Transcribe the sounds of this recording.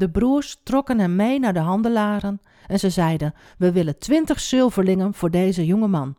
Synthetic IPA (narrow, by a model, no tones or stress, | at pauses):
dəbruərstrɔkənɦɛmːejnaɹdəɦɑndəlaːɾən | ɛnzəzɛjdən | ʋəʋɪləntʰʋɪntəxsʏlˠvərlɪŋənv̥ʊːɹdejzəjoŋəmɑn